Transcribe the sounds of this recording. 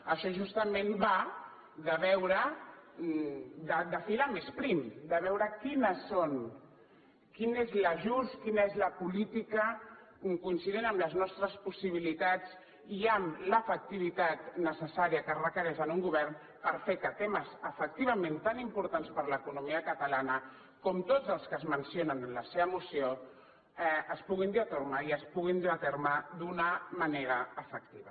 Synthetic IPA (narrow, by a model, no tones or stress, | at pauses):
əʃɔʒust̪əmenba | ðəβɛwɾə | d̪əd̪əfilamespɾimd̪əβɛwɾəkinəson | kinezləʒuskinəezləpulit̪ikə | mkunsiðenəmləznɔst̪ɾəspusiβ̞ilit̪at͡s | iamləfək̚t̪iβ̞it̪at̪nəsəsaɾiəkərəkəɾɛʃənuŋɡuβɛrn | pəɾfekət̪eməzəfək̚t̪iβɐmẽnt̪animpuɾt̪anspəɾləkunumiəkət̪əlanə | kɔmt̪od͡zəlˠskəzmənsionənləseβəmusio | ɛəspuɣind̪iat̪ermaiəspuɣind̪iat̪eɾmad̪unəməneɾəːfək̚t̪iβ̞ə